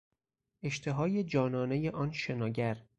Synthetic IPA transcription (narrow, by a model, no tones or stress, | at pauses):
ʔe̞ʃt̪ʰe̞ɦɒːje̞d͡ʒɒːnɒːne̞je̞ʔɒːnʃe̞nɒːɟæɾ